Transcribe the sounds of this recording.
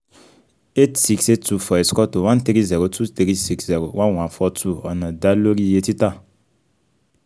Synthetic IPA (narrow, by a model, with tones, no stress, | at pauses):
e˦tsi˦kse˦tu˦fɔ˨e˨skɔ˦to˨wã˦nt̪ɾi˦zɛ˨ɾo˨tʰu˦t̪ɾi˦si˦kszɛ˨ɾo˨wã˦nwã˨nfɔ˦tʰu˦ɔ˨nã˨da˦lo˦ɾi˦˨je˦ti˦ta˦˨